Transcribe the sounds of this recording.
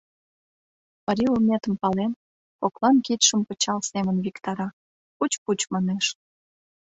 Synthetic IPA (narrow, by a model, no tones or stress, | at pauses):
pəɾʲiumʲet̪əmpɑlen | koklɑnkit̪ʃəmpə̆t͡ɕɑlsemənβikt̪ɑɾɑ | kut͡ɕput͡ɕmɑneʃ